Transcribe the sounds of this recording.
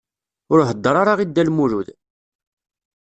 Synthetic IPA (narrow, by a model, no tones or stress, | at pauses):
ʊɾɦəd̪ˤːəɾˤaɾˤaʁid̪ːælmuɾuð